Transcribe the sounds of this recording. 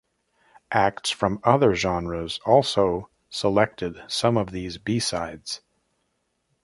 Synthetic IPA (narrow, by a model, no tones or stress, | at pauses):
ʔæk̚tsfɹʌ̃mʌðə˞ʒɑ̃nɹəzɔlˠsoʊ | səlɛk̚tʰɨd̥sʌ̃mʌvðizbisaɪdz̥